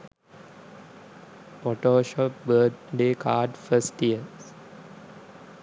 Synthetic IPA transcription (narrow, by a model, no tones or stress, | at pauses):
pɔʈoːʃɔp̚bət̪̚ʰɖeːkʰaːɖfəsʈiə